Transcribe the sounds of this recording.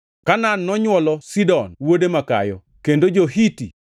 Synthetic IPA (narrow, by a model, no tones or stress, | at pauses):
kananːɔɲwɔlɔsidɔnwodemaka̰jɔ | kendod͡ʒoɦiti